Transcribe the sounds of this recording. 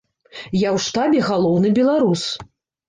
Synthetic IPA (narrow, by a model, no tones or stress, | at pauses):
jawʂt̪abʲɛɣalˠɔwnɨbʲɛlˠaɾus